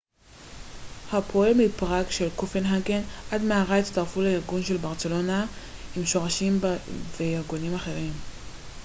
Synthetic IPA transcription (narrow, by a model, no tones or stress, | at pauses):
hapʰoemipʁakʃe̞lkofenɦaɡenʔadmeaʁaitst̪aʁfuleiʁɡunʃe̞lbaʁt͡se̞lo̞naimʃo̞ʁaʃimvejiʁɡunimaχe̞ʁim